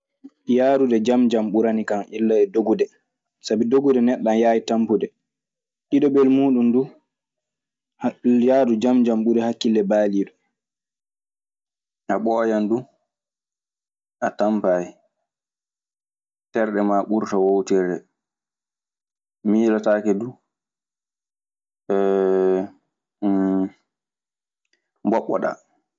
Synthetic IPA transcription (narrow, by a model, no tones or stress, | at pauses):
jaːɾudɛd͡ʒamd͡ʒamɓuɾanikaŋilːaɛdoɡudɛ | sabidoɡudɛnɛɗːanjaːjitampuɗɛ | ɗiɗɔbɛlmuːɗundu | hjadud͡ʒamd͡ʒamɓuɾɛhakːilɛbaːliːɗɔ | ʔaɓɔːjandu | ʔatampaji | tɛɾɗɛmaːɓuɾtawowtiɾɛ | miːlataːkɛdu | mbɔɓːɔ̰ɗa̰